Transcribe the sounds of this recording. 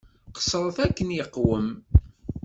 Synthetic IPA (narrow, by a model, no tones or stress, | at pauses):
qə̥sˤəɾˤəθækːənjəqːwəm